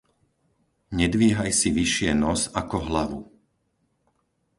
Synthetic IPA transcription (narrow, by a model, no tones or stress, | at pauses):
ɲɛd̪ʋiɛɦajsiʋiʃɪɛnɔzakɔɦlaʋu